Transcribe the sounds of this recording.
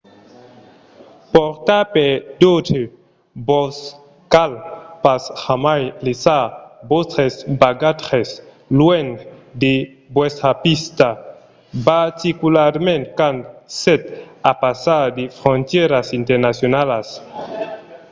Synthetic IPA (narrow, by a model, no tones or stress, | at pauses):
poɾt̪aped̪ote | bɔs | kalpashamajlesabost̪ɾesbaɡat̪ɾes | lwend̪e | bwest̪ɾapist̪a | baɾt̪ikulaɾmẽnt̪kanset̪apasad̪efɾont̪jeɾasint̪eɾnasjonalas